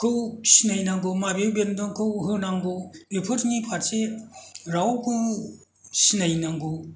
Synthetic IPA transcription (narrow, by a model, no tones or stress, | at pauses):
kɯwsinajnaŋɡɯmabebendɔŋkɯwɦɯnaŋɡulipʰɯtnipʰaɾseɾawkʰɯw | sinajnaŋɡu